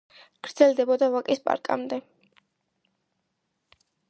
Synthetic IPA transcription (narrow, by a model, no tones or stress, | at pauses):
ɡ̥ɾd̪z̥ɛld̪ɛbɔd̪avakʼispʼa̰ɾkʼa̰md̪ɛ